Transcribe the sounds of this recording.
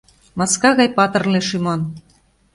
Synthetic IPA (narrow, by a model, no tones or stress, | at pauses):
mɑskɑɣɑjpɑt̪ɤ̆rleʃymɑn